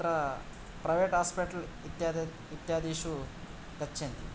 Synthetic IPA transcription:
ɾɐ | pɾɐjʋeːʈɦaːspiʈɐlt̪j | it̪jaːd̪iːʃu | kɐt͡ʃːend̪i

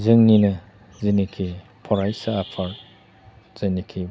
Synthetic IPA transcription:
zɯŋninɯ | zinikʰi | pʰɔɾajsaːpʰaɾ | z̥ɯnikʰi

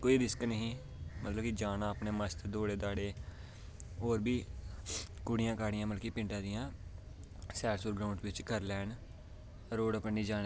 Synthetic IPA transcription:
koːiːɾɪsknəɦĩː | mət̪ləbkid͡ʒaːnãːəpneːməst̪d̪oːɽeːd̪aːɽeː | oːɾbiː | kʊɽɪjãːkaːɽɪjãːməlkiːpɪ̃ɳʈãːd̪ɪjãː | sɛːɽsuːɾɡɾaːʊɳɖʋɪt͡ʃkəɾlɛːn | ɾoːɽəpəɳniːd͡ʒaːnː

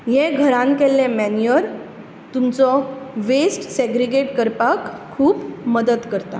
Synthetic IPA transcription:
ɦeɡʱəɾãnkelːẽmæniəɾ | t̪umt͡sɔʋesʈseɡɾeɡeʈkəɾpakʰː | uːpməd̪əd̪kəɾt̪a̰

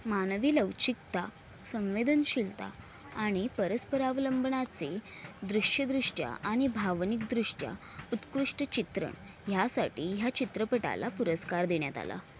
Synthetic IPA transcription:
manʋiːləʋt͡ɕik̚t̪a | sə̃w̃ʋed̪ənɕilt̪a̰ː | ɽ̃ipəɾəspəɾaʋləmbɳat͡se | d̪ɾuʂjəd̪ɾuʂʈja̰ʔaɽ̃ibʱaʋnik̚d̪ɾuʂʈja̰ | ut̪kɾuʂʈət͡ɕit̪ɾə̰ɳ | jasaʈiːɦjat͡ɕit̪ɾəpəʈa̰lapuɾəskaɾd̪eɳjat̪a̰la̰

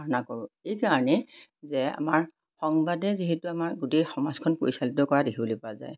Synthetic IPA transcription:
aɹɔnakoɹʊejkaɹɔnɛzɛa̰maɹ | xɔŋbadɛziɦɛtuamaɹɡutexɔmazkʰɔnkoɹisalitɔkɔɹadekʰibolipɔaza̰j

